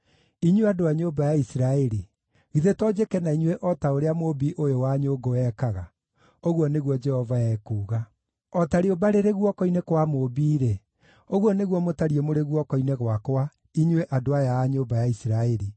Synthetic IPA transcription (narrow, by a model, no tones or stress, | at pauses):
iɲweadoaɲoːbajaisɾaɛɾi | ɣiðetɔd͡ʑekɛnaiɲweʔɔtaoɾeamobiʔojowaɲoɡoɛːkaɣa | oɣwɔneɣwɔd͡ʒɛhɔvaɛːkuːɣa | ɔtaɾeobaɾeɾeɣwɔkɔinekwamobiːɾe | oɣwɔneɣwɔmotaɾiɛmoɾeɣwɔkɔineɣwakwa | iɲweʔadoajaaɲoːbajaisiɾaɛɾi